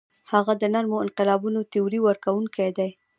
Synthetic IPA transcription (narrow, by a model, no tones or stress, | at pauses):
haɣad̪ənaɾmoɪnqɪlɑbunot̪ɪuɾiwəɾkawuŋkʰajd̪aj